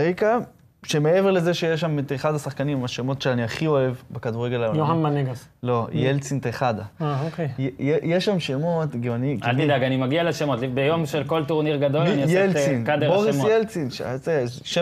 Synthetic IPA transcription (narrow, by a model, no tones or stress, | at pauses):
eka | ʃe̞me̞e̞veʁle̞ze̞ʃejeʃamit̪eχadasaχkanimaʃemo̞tʃeaniaχio̞e̞vbekad̪uʁeɡelajojoanmaneɡazlo̞jelt͡sint̪eχad̪aaokejjejeʃamʃemo̞tɡianikalt̪id̪aɡanimaɡialeʃemot̪bejomʃelko̞lt̪uʁniʁɡad̪o̞lniasjelt͡sinkad̪eboʁisjelt͡sinʃa̰se | ʃe